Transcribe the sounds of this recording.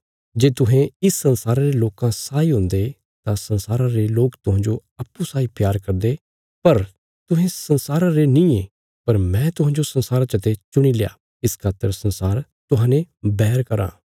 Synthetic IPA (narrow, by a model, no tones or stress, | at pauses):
d͡ʒeːt̪ʊɦẽɪsːɐnsaːɾãɾeloːkãsaːiɦʊ̃nd̪e | t̪ãsɐ̃nsaːɾãɾeloːkt̪ʊɦãːɲd͡ʒoɐpːusaːipjaːɾkɐɾd̪e | pɐɾ | t̪ʊɦẽsɐnsaːɾãɾenĩːe | pɐɾmɛ̃ːt̪ʊɦãːɲd͡ʒosɐ̃nsaːɾãt͡ʃɐt̪et͡ʃʊɽ̃ileja̰ː | ɪskʰaːt̪əɾsɐnsaːɾ | t̪ʊɦãːnebɛːɾkɐɾã̰ː